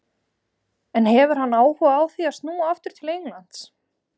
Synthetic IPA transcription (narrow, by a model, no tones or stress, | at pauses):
ɛnhɛvʏɾ̥hanːaːwhɔaːwθiast̪nuːaaft̪ʏɾ̥t̪ʰɪlejŋlant̪s